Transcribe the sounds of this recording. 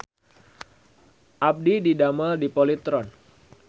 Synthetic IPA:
ʔap̚dididaməldipɔlit̪ɾɔn

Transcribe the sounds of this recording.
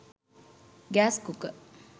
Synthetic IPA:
ɡæːskukə

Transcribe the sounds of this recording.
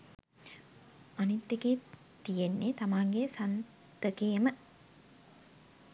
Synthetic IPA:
anit̪ːeɡeː | t̪ijenːet̪amaːŋɡesan | t̪əkejemə

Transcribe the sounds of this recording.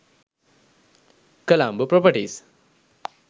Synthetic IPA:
kəlambəpɾɔpəʈis

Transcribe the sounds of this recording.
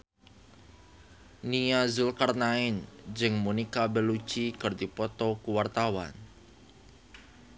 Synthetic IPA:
niazʊlkarnaɪnd͡ʒɨŋmunikabəlu̥t͡ʃikərd̪ipɔt̪ɔkuwart̪awa̰n

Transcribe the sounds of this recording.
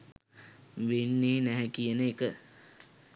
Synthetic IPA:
ʋenːeːnɛɦɛkijənəekə

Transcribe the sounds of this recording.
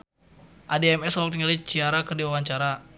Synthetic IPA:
ʔadɛɛmɛsɔk̚t̪iŋalit͡ʃiaɾakərdiwawaɲt͡ʃaɾa

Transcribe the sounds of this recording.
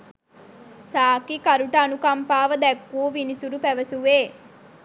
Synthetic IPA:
saːkikɐɾuʈɐnukɐmpaːʋɐd̪ɛkːuʋinisuɾupɛʋɐsuʋeː

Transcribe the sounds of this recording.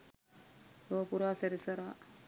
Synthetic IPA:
t̪oːpuɾaːseɾisɐɾaː

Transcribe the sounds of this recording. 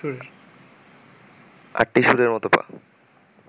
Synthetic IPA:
u | a̰ʈːiʃuɾeɾmɔt̪opa̰

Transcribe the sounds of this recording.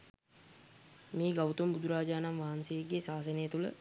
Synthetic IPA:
meːɡawt̪umbud̪ʱuɾaːd͡ʒaːnamʋaɦansəjeɡesaːs̬ənəjət̪ulə̰

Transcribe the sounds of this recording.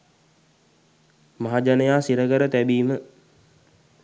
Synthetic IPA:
maɦad͡ʒanəjaːsiɾəɡəɾət̪æbiːmə

